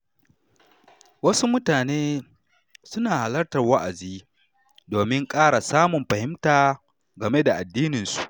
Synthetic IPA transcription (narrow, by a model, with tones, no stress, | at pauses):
wɐ˦su˦mʊ˦taː˨neː˦ | sʊ˦naː˨ha˨lɐ˦rtɐ˨rwɐ˦ʔa˨ziː˦ | doː˨mɪ˦ŋkʼaː˦ɽa˨saː˦mʊ˨mɸɐ˨hɪ˦mtaː˨ | ɡɐ˨me˦da˨ʔa˨dːiː˦nɪ˨nsu˨ʔ